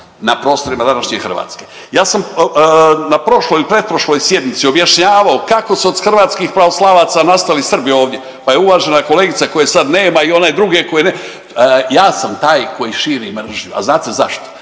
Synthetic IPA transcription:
napɾo̞ːst̪o̞ɾimad̪anaʃɲexr̩ʋa̰ːt̪ske̞ | jaːsam | napɾo̞ʃlojiipɾe̞d̪̚pɾoʃlo̞ːjsje̞d̪mit̪sio̞bjaʃɲaːʋaokako̞suod̪xr̩ʋaːt̪skixpɾaoslˠaʋat̪sanast̪alisr̩bio̞ːʋd̪je̞ | paje̞uʋaːʒenako̞leːɡit̪sako̞jesad̪ne̞ːmaio̞ned̪ɾuɡe̞kojene | jaːsamt̪aːjko̞jiʃiːɾimr̩ʒɲua̰znaːt̪eza̰ʃt̪o̥

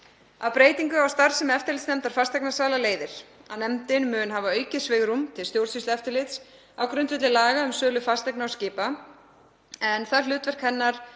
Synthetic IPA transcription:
awpɾeːjt̪iŋkʏawst̪aɾ̥sɛmɛft̪ɪɾlɪt̪snɛmt̪aɾ̥fast̪ɛjknḁsaːlaleːjðɪɾ̥awnɛmt̪ɪnmʏːnɦavaœɥcɪ̥svɪɣɾumt̪ʰɪlst̪jowɾ̥rsist̪ɛft̪ɪɾlɪt̪s | awkɾʏnt̪vɪt̪lɪlaːɣaʏmsœːlʏfast̪ɛknaɔwscɪːpa | ɛnθalʏːt̪vɛr̥khɛnːaɾ̥

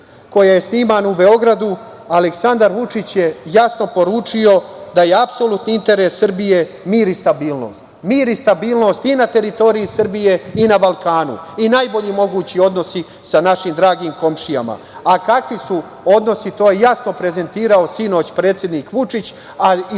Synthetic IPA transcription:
ko̞jaje̞sniːmaːnube̞o̞ɡɾad̪u | aleksand̪aɾʋut͡ʂit͡ɕje̞jasno̞po̞ɾuːt͡ʂio̞d̪aje̞apsolut̪niint̪e̞ɾesːr̩bije̞ | miːɾist̪abiːlno̞̰ːst̪miːɾist̪abiːlˠno̞st̪inat̪e̞ɾit̪o̞ːɾijisr̩bije̞inabalˠkaːnṵinaːjbo̞ʎimo̞ɡuːt͡ɕio̞d̪no̞si | sanaʃiːmd̪ɾaːɡiːmko̞mʂija̰ma̰ | akakʋisu | o̞d̪no̞sit̪o̞ːjejasno̞pɾe̞ze̞nt̪iːɾao̞sino̞ːt͡ɕpɾe̞ːt̪sʲje̞d̪niːkʋut͡ʂit͡ɕ | a

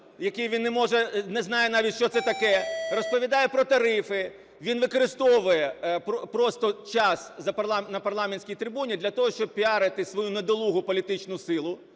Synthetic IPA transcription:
jɐkejʋʲinːɛmɔʒɛnɛznɑjɛnɑʋʲit̪ʲʃt͡ʃɔt̪sɛt̪ɐkɛrɔspɔʋʲid̪ɑjɛpɾɔt̪ɐɾɪfɪ | ʋʲinʋɪkɔɾɪst̪ɔʋʊjɛpɔpɾɔst̪ɔt͡ʃɑszɐpɐrlˠɑmnɐpɐrlˠɑmenʲsʲkʲijt̪ɾʲɪbunʲid̪lʲɐt̪ɔɦɔʃt͡ʃɔb̚pʲiɑɾɪt̪ɪsʋɔjunɐd̪ɔlˠuɦʊpɔlʲit̪ɪt͡ʃnʊsɪlˠʊ

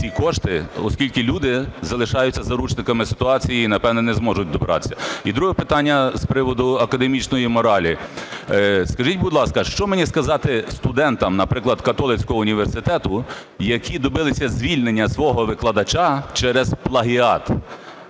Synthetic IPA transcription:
t͡sʲikɔʃt̪ɪɔskʲilʲkɪlʲud̪ɪzɐlˠɪʃɑjʊt͡sʲːɐzɐɾut͡ʃnɪkɐmɪsɪ̥t̪ʊɑt͡sʲijiːnɐpɛwnɛnɛzmɔʒʊtʲd̪ɔbeɾɑ̰t̪e̥sʲɐid̪ɾuɦɛpɪt̪ɑnʲːɐspɾɪʋɔd̪ʊɐkɐd̪emʲit͡ʃnɔjimɔɾɑlʲi | skɐʒitʲbʊd̪lˠɑskɐʃt͡ʃɔmnʲiskɐzɑt̪ɪst̪ʊd̪ɛnt̪ɐmnɐpɾɪklˠɐd̪kɐt̪ɔlˠɪt͡sʲkɔɦɔʊnʲiʋersɪt̪ɛt̪ʊ | jɐkʲʰid̪ɔbɪlˠɪsʲɐzʲʋʲilʲnenʲːɐsʋɔɦɔʋɪklˠɐd̪ɐt͡ʃat͡ʃɛɾɛzplˠɐɦʲiɑt̪

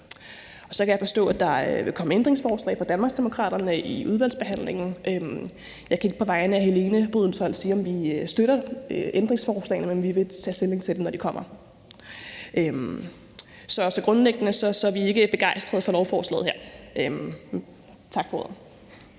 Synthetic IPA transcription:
ɒ̽sɒ̽kʰæjɑ̈fɒ̽sd̥ɔ̰̽ːæd̥ɑ̈ʋe̝kʰɒ̽məend̥ʁe̝ŋsfɒːslɛ̰ɪfɑd̥ænmɑ̈ɡ̥sd̥e̝mo̝kʰʁɑ̰̈ːɾ̥ɐnəiʔuð̞ˠʋæl̰dsb̥e̝ɦæn̰le̝ŋ̰n̩ʔøm | jɑ̈ɪkʰæe̝ɡ̥əpʰɒ̽ʋɑ̈ɪnəæɦele̝ːnəb̥ʁyð̞ˠn̩sɒ̽l̰siːɒ̽mʋiøsd̥øɾɐøʔend̥ʁeŋsfɒːslɛ̰ɪnəmenʋiʋe̝t͡sʰɛ̰ːste̝le̝ŋt͡sʰe̝ld̥emnɒd̥ikʰɒ̽m̰ɐ | ʔøm | sɒ̽sɒ̽ɡ̥ʁɔ̽nleɡ̥ənəsɒ̽sɒ̽æɐʋie̝ɡ̥əb̥e̝ɡ̥ɑ̈ɪ̰sd̥ʁɐð̩ˠfɒ̽lɒʊfɒːslɛ̰ːð̩ˠheɐ̰ʔøm | t͡sʰɑ̈ɡ̥fɒoːð̰̩ˠ

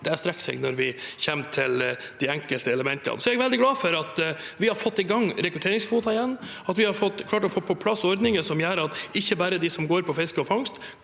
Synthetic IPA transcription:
d̪ɛæɾst̪ɾɛksɛ̰ɡnɔɾʋɪçɛmt̪ʰɪl | d̪̥ɪæŋkəlt̪əɛləmɛnt̪ʰə̰nsɔɛɡʋɛld̪ɪɡlɑːfɔɾɑt̪ʋɪhɑɾfɔt̪ːɪɡɑŋːɾɛkɾʉt̪ʰeːɾɪŋsfuːt̪ɑɪjɛnː | ɑt̪ʋɪhɑɾfɔt̪ːkʰlɑːʈɔfoːpʰɔpʰlɑsːɔɾd̪nɪŋəsɔmjæːɾɑt̪ɪçːəbæːɾəd̪ɪsɔmɡoːɾpʰɔfɪskəɔfɑŋst̪

